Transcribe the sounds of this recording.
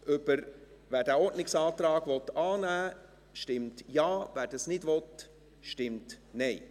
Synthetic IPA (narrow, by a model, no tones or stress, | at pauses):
ʔʏb̥əɾ | væːɾdæːɔɾdnɪksɑːt̪ɾɑːɡ̥ʋɔt̪ɑːnæː | ʃtɪmtjɑːvæːɾdɑsnɪdʋɔt | ʃtɪmtnɛɪ